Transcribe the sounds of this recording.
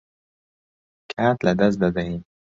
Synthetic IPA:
kʰat̪lad̪as̬d̪ad̪aɦi

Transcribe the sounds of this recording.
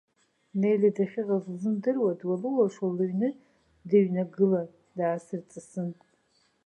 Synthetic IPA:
nejladaχʲɪʁazzɨmdɨrwadwalɨwaʂalɨɥnɨ | daɥnaɡɨla | daːsɨrt͡sʼɨsɨntʼ

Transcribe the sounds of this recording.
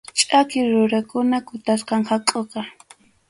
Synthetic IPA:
t͡ʃʼakɪɾʊɾakʊnakʊt̪asqɑŋhakʼoqɑ

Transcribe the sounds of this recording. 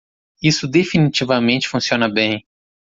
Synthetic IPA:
isʊd̪efinit͡ʃivɐmẽnt͡ʃɪ̥fũsiõnɐbẽj̃

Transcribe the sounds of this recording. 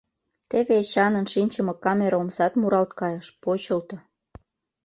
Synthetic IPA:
t̪eβeɕɑnə̆nʃinʲt͡ɕəmɤkɑmʲeɾomsɑt̪muɾɑlt̪kɑjəʃpot͡ɕəlt̪ŏ

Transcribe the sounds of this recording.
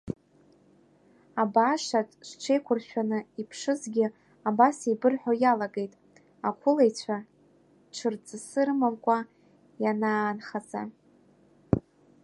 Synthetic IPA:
abaʂatʼʂʷʈ͡ʂʰejkʷʰʊrʃʷᶣanɨipʰʂɨzɡʲɪ | abasibɨrħʷojalaɡe̞jtʼ | akʷʰʊlejt͡ɕʷʰa | ʈ͡ʂʰɨrd͡zʼɨsɨrɨmamkʷʼa | jananχad͡za

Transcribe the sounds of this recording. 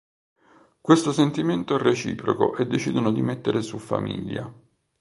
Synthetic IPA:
kwest̪osent̪iment̪oɛrːet͡ʃḭːpɾo̰ko̰ʔed̪ːet͡ʃiːd̪onod̪imet̪ːeɾesufa̰mḭʎːa̰

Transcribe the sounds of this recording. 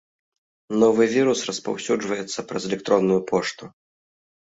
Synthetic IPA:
nɔvɨvʲiɾusrɐspa̰wsʲud͡ʐvɐjɛt̪sːɐpɾɐzɛlʲɛk̚t̪ɾɔnːujupʰɔʂt̪u

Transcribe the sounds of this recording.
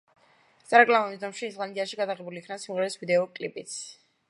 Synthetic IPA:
sʼaɾakʼlamɔnid̪ɔmʃiːsʁand̪iaʃiɡad̪aʁɛbuliːkʰnasimʁɛɾisvid̪ɛɔkʼlipʼit̪s

